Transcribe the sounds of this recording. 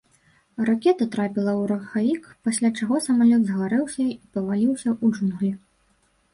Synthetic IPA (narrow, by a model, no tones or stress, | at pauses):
rakʲɛt̪ɐt̪ɾapʲilˠɐwɾɐxavʲikpasʲlʲat͡ʂaɣɔsɐmalʲɔd̪zɣvaɾɛwsʲɐipɐvalʲiwsʲɐʔud͡ʐunɣlʲi